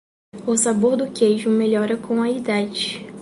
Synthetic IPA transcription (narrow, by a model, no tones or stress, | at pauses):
ʊsaboɾd̪ʊkejʒʊmeʎɔɾɐkʰõw̃ɐid̪ad͡ʒɪ